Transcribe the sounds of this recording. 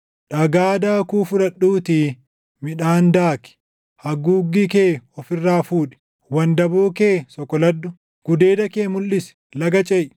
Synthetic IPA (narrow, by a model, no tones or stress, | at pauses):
ᶑɐɡaːd̪aːkuːfʊɾɐɗːuːt̪i | mɪᶑaːnd̪aːkɪ̥ | hɐɡuːɡːikeːɔfɪrːaːfuːᶑɪ̥ | wɐnd̪ɐboːkeːsɔkːɔlɐd̪ːʊ | ɡ̥ʊd̪e̞ːd̪ɐkeːmʊlːɪsɛ̥ | lɐɡɐt͡ʃʼɛʔ